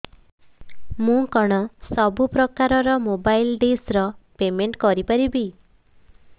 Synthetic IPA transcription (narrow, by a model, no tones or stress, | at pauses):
mũkɔɽ̃ɔsɔbupɾɔkaɾɔɾɔmobajlɖesɾɔpemeɳʈkɔɾipaɾibi